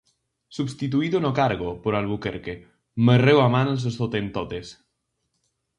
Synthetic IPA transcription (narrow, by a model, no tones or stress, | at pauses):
subst̪it̪̬uiðonokaɾɣ̞opoɾalβukeɾke | mərewamans̬est̪ot̪ent̪ot̪es